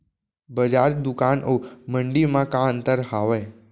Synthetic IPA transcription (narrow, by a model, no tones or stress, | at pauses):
bəd͡ʒaɾd̪ukanʔowməɳɖimãkãənt̪əɾɦaʋəj